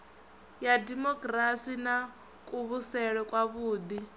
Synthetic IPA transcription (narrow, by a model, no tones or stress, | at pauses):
jadimɔkʼrasina | kʼuβusɛɺɛkʼwaβuːd̪i